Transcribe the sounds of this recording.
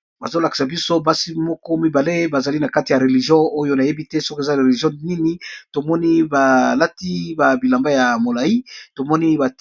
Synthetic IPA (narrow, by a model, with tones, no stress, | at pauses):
ba̰˨zo˦la˨ki̥˨sa˨bi˦so˦ba˦si˦mɔ˦kɔ˦mi˦ba˨le˦ba˨za˨li˦na˨ka˦ti˨ja˨ʁe˨li˨ʒjɔ̃˦o˦jo˦na˨je˦bi˦tɛ˦sɔ˦ko˨za˦ʁe˨li˨ʒjɔ̃˦ni˦ni˦to˨mɔ˦ni˦ba˨la˦ti˦ba˨bi˨la˨mba˦ja˨mo˨la˨ji˦to˨mɔ˦ni˦ba˨